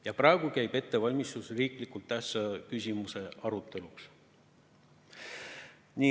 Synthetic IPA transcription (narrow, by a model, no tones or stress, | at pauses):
jɑprɑeɡukæjbe̞t̪ːe̞vɑlʲmist̪usriːklikːult̪ːæhsɑkysʲimuse̞ʔɑɾut̪ːˑe̞luks | ni